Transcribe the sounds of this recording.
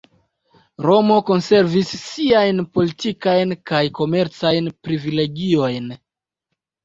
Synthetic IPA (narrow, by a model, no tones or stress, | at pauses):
ɾo̞mo̞ko̞nse̞ɾvisːiajnpo̞litikajnkajko̞me̞ɾt͡sajnpɾivile̞ɡio̞jn